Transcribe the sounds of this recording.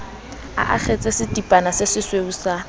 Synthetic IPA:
a̰ʔa̰χet͡sʼesɪtʼipʼanasɪsɪsweusa

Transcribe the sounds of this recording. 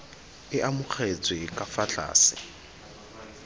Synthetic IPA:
ɪʔamʊk͡xʰet͡sʼwɪkʼafat͡ɬʼa̰ːsɪ̥̰

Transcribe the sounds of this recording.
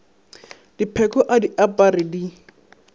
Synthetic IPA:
d̥ipʰɛkɔʔadiʔapʼaɾɪdi

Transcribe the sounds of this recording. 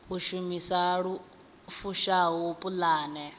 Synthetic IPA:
ɦuʃumisaɺu | fuʃaɦupʼulaːnɛ

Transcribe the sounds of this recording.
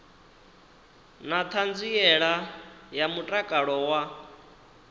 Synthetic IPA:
nat̪ʰand͡ziɛɺajamutʼakʼaɺɔwa

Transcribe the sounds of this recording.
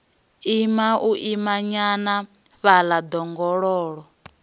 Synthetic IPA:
imaʔuʔimaɲana | βalad̪ɔŋɡɔɺɔːɺɔ

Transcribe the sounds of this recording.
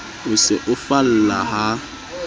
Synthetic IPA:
oseʔʊfal̩laɦa

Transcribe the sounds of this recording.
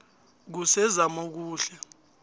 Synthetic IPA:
k̬usɛzamok̬uːɬɛ

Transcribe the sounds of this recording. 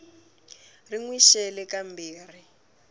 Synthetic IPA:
riŋwiʃɛlɛkambiːr̤i

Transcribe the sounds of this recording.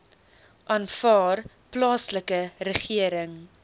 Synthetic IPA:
ʔɑːnfɑːr | plɑːsləkəɾəχiəɾəŋ

